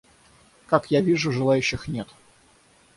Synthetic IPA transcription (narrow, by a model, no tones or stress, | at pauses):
kakjavʲiʐʊʐɨlˠajʉɕːɪxnʲe̞t̪